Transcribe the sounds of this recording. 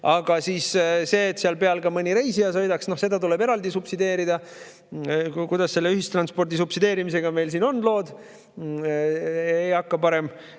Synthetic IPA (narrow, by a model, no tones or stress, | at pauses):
ɑɡ̥ɑsiːsse̞ːt̪seɑlpe̞ɑlɡɑmɤnʲiɾe̞jsiɑs̬ojd̪ɑksno̞hse̞d̪̥ɑt̪ule̞be̞ɾɑld̪isupsid̪e̞ːɾid̪ɑ | kujd̪̥ɑsse̞lːe̞yɦist̪rɑnspo̞rd̪isupsid̪e̞ːɾimise̞ɡ̥ɑme̞jls̬iːno̞nːlo̞ːd̪̥ | ejɑkːɑpɑɾe̞m